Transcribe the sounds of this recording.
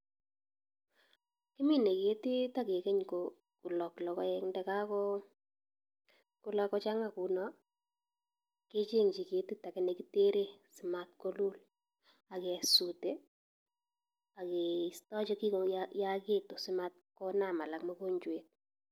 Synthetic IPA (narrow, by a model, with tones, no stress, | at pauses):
kɪ˦mi˦ne˨ke˦ti˦ta˦ke˨ke˦ɲko˨ | ku˨lɔ˨klɔ˨kɔ˦ɛ˦ŋndɛ˦ka˦kɔ˦ | ku˦lakɔ˦t͡ʃa˦ŋa˨ku˨nɔ | ke˦t͡ʃe˦ŋt͡ʃi˨ke˨ti˦ta˨kɛ˨ne˨ki˦te˦ɾe˦sɪ˨ma˦t̚ko˦lu˦l | a˨ke˨su˨te˦ | a˨ke˨i˨stɔ˦t͡ʃɔ˦ki˦kojake˦to˨sɪ˦ma˦t̚kɔ˦na˦ma˨la˨kmo˦ko˦ɲt͡ʃwet̚